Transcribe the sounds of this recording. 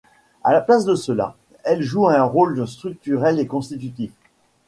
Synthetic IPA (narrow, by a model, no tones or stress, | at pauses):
a̰laplasd̪əsəla̰ | ɛlʒuɛ̃ʁolst̪χyk̚t̪yʁɛlekɔ̃st̪it̪yt̪if